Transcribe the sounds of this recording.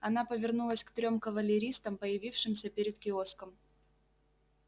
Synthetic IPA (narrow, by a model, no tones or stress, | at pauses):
ɐnapəvʲɪrnulˠəsʲkt̪ɾʲo̞mkəvəlʲɪɾʲist̪əmpəjɪvʲifʂɨmsʲəpʲeɾʲɪt̪̚kʲɪo̞skəm